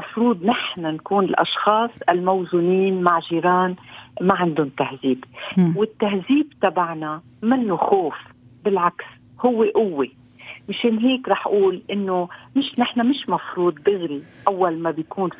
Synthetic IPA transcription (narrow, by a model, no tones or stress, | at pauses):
mɑfɾuːd̪ˤnɪħnankuːnɪlʔɑ̰ʃxɑːsˤʔɪlmawzʊniːnmaʕʒiːɾɑːnmaʕɪnd̪ʊnt̪ahziːbwɪt̪ːahziːbt̪abaʕna | mɪnːoxoːf | bɪlʕaks | hʊwːeʔʊwːe | mɪʃeːnɦeːkɾˤɑːħʔuːlʔɪnːomɪʃnɪħnamɪʃmɑfɾuːd̪̚ˤbɪɣɾiʔawːalmabɪjkuːn